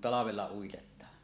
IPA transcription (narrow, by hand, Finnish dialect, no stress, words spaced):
tɑlɑʋelːɑ uitetˑɑːn